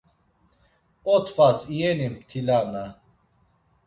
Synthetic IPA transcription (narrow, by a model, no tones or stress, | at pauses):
ɔt̪ʰfasijɛnimt̪ʰilana